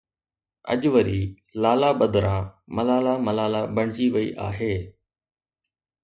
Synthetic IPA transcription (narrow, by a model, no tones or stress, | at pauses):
ə̰ʄʋəɾiː | laːlaːɓəd̪ɾãːməlaːlaːməlaːlaːbəɳ̤̃d͡ʑiːʋəḭːʔa̰ːɦeː